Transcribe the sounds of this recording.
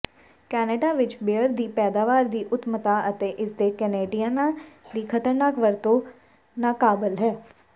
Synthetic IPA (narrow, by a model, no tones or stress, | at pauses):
kɛːneɖaːʋɪt͡ʃbeəɾd̪iːpɛːd̪aːʋaːɾd̪iːʔʊt̪mət̪aːʔət̪eːʔɪsd̪eːkɛneːɖijanad̪iːkʰət̪əɾnaːkʋəɾt̪õː | nãːkaːbəlɦɛː